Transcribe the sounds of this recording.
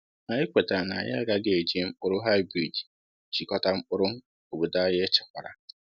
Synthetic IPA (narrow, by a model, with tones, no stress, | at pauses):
na˨ɲɪ˦kʷe˨ta˨na̰˨ɲa̰˦a˦ɡa˦ɡe˦e˨d͡ʒe˦˨m̩˦ʊ˦ɾʊ˦ɦa˦ɪ˦bɾi˨d | t͡ʃi˨kɔ˦ta˦m̩˦ʊ˦ɾʊ˦ŋ˦ | o˨bo˨da˦je˦t͡ʃa˨kʷa˨ɾa̰˨